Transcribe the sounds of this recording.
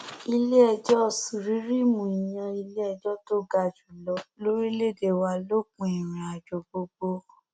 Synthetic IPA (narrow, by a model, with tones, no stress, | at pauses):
i˧le˦ɛ˧d͡ʒɔ˦˨si˨ɾi˨˦ɾi˦mũ˨i˨j̃ã˧i˧le˦ɛ˧d͡ʒɔ˦to˦˨ɡa˧d͡ʒu˨lɔ˧lo˦ɾi˦le˦˨de˨wa˧lo˦˨k͡pũ˧˦i˨ɾ̃ĩ˨a˨d͡ʒo˨ɡ͡bo˧ɡ͡bo˧˨